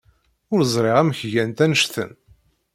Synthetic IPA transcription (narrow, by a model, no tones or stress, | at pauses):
ʊɾzˤɾˤeʁæmçʝænt̪ænəʃθə̰n